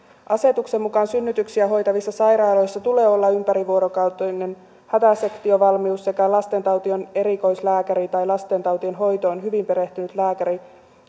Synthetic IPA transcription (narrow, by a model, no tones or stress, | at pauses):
ʔɑse̞t̪ukse̞mːukɑnsynːyt̪yksiæɦo̞jt̪ɑʋisːɑsɑjɾɑːlo̞jsːɑt̪ule̞ːo̞lːɑympæɾiʋuo̞ɾokɑwt̪onen | hæt̪æse̞kt̪io̞ʋɑlmiusse̞kælɑst̪e̞nt̪ɑwt̪io̞ne̞ɾiko̞jslæːkæɾit̪ɑjlɑst̪e̞nt̪ɑwt̪ionɦo̞jt̪oːnɦyʋimpe̞ɾe̞ht̪ynyt̪læːkæɾi